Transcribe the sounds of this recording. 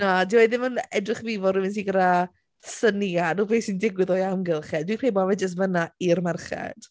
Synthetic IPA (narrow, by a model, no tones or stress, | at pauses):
nadiweðɪmənɛdrɪχvivɔrɪmɪns̬iɡəda | sənianuːpʰeːsindɪɡwɪðɔjamɡɪlˠχɛdwikʰreːbɔvɛd͡ʒəs̬tvənairmɛrχɛ̰d̥